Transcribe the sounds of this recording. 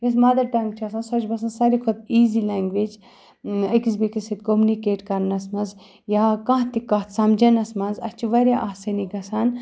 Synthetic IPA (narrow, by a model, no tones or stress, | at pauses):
jʲɐs̬mɐd̪ɐɾʈɐŋɡ̚t͡ʃʰɐsɐnsɐt͡ʃʰbɐsɐnsɐɾikʰot̪̚iːzilaːŋɡʋeːd͡ʒ | ɐkis̬bikisit̪komunikeːʈkɐɾnɐsmɐnz | jaːkɐ̃ɦt̪ikɐt̪sɐmd͡ʒɐnɐsmɐnzɐt͡ʃʰuʋɐɾʲjaʔaːsɐniɡɐsan